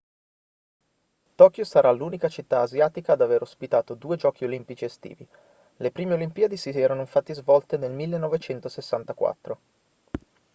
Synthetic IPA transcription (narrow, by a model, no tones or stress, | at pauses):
t̪ɔːkjosaɾʔaluːnikat͡ʃit̪ːaːzjaːt̪ikad̪aveɾospit̪aːt̪od̪uːed͡ʒɔːk̟iolimpit͡ʃiest̪ḭːvi | lepɾiːmeolimpiːad̪esiɛːɾanoifat̪ːizvɔlt̪enelmilːenːɔvet͡ʃɛnt̪osesːant̪akwa̰t̪ːɾo